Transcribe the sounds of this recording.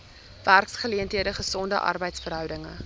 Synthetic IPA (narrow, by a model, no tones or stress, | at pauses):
værksχəliəntɦiədəχəsɔndəʔɐ̰rbəjtsfərɦœwdəŋə̰